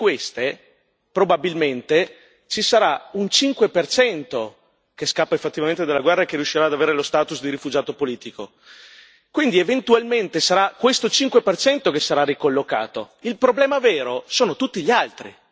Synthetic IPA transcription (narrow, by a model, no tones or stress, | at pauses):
kwest̪e | pɾobabilment̪e | t͡ʃisaɾaunt͡ʃiŋkwepert͡ʃɛnt̪o | keskapːaefet̪ːivament̪ed̪elːaɡwɛrːaekerjuʃːiɾaːd̪aveːɾelost̪aːt̪usd̪iɾifud͡ʒaːt̪opoliːt̪iko | kwind̪ievent̪ualment̪esaɾakwest̪ot͡ʃiŋkwepert͡ʃɛnt̪okesːaɾarːikolːoka̰ːt̪o | ilpɾoblɛːmavɛːɾosoːnot̪ut̪ːiʎialt̪ɾḭ